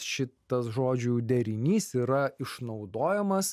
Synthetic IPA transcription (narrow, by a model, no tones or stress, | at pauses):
ʃʲɪt̪ɐsʒoːd͡ʒʲʊd̪ʲɛɾʲɪnʲiːsiːɾɐɪʃnɒʊd̪oːjɛmɐs